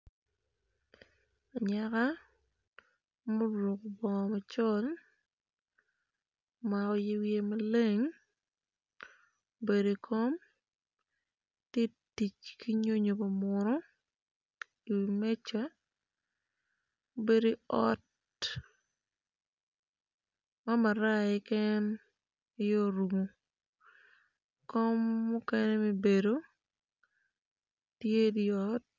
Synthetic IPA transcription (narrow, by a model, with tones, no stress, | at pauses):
a˨ɲa˦ka˦ | mo˦ɾo˨ko˨bɔ˨ŋɔ˨ma˨t͡ʃɔ˦l | ma˨ɔ˦je˦wje˦ma˦le˦ŋ | be˨ɾe˨kʰo˦m | te˦ | ti˨t͡ʃkʰi˦ɲo˦ɲo˨ba˨mʊ˨ɾɔ˦ | i˨wme˦t͡ʃa˦ | be˨ɾi˦ɔ˦t | ma˦ma˨ɾa˦ɪ˦kɛ˦n | ɪ˦jo˦ɾu˨mo˨ | kɔ˦mːʊ˦ke˦ne˦me˨be˨do˦ | tje˦di˦ɔ˦t̚